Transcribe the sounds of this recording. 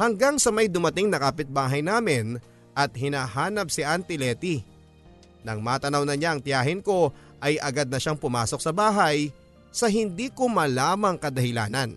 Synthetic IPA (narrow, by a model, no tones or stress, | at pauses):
hɐŋɡaŋsɐmɐjd̪ʊmɐt̪ɪŋnɐkaːpɪt̪̚baːɦɐjnaːmɪn | ʔɐt̪̚hɪnaːhaːnɐp̚sɪʔant̪ɪlɛːt̪i | nɐŋmaːt̪ɐnɐwnɐɲaʔɐŋt̪jaːɦɪnko̞ | ʔɐjʔɐɡad̪nɐʃaŋpʊmaːso̞k̚sɐbaːɦɐj | sɐɦɪnd̪iːkomɐlaːmɐŋkɐd̪ɐhɪla̰ːnɐn